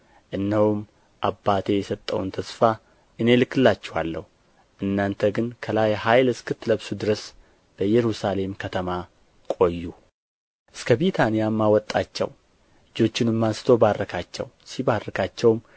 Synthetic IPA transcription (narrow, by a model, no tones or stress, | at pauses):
ʔɨnːəwum | ʔabːat̪ʰe̞jɛsət̪ʼːə̰wnt̪ʰəsfa | ʔɨne̞lɨkːɨlːat͡ʃːɛwalːə̰hu | ʔɨnːant̪ʰəɡɨnkʰəlajhajlɨskʰɨt̪ːləβsud̪ɨɾəs | b̥əjɛɾusale̞mkʰət̪ʰəma | kʼo̞jːu | ʔɨskʰəβet̪ʰanijamːawɔt̪ʼːat͡ʃːɛ̰w | lɨd͡ʒo̞t͡ʃːɪnɨmːasɨ̥t̪ʰo̞barːəkʰat͡ʃːɛ̰w | siβarːəkʰat͡ʃːɛwm